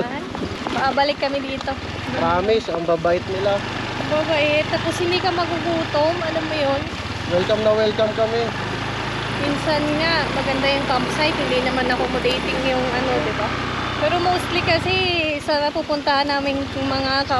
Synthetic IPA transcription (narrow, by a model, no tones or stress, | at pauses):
mɐʔabɐlɪkːɐmɪd̪iːt̪o̞ | mpɾaːmɪsɐŋbabaʔɪt̪̚nɪla | ɐŋbabaʔɪt̪ːaposhɪnd̪ikɐmɐɡuɡuːt̪omʔɐlomːʊjon | wɛlkɐmnɐwɛlkɐmkɐmɛ | minsɐnŋamɐɡɐnd̪ajʊŋkampsajt̪̚hɪnd̪inɐmanɐkomʊd̪ejt̪ɪŋjʊŋʔɐno̞d̪ɪba | pɛːɾo̞mowst̪likɐsɛsɐnɐpupʊnt̪ɐhɐnːaːmɪŋmɐŋakɐ